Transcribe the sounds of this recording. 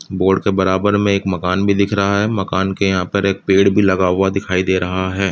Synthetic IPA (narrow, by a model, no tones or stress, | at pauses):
boːɾɖkebɐɾaːbəɾmẽeːkmɐkaːnbʱid̪ɪkʰɾɐɦaɦɛːmɐkaːnkejɐɦãpɐɾeːk̚peːɽbʱilɐɡaːʋad̪ɪkʰaːid̪eːɾɐɦaɦɛː